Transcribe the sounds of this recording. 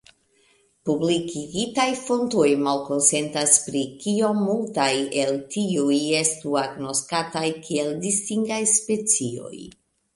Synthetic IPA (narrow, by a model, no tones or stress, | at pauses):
publikiɡitajfo̞nto̞jmalko̞nse̞ntaspɾikio̞mːultaje̞ltiuje̞stuaɡno̞skatajkie̞ldistiŋɡajspe̞t͡sio̞̰j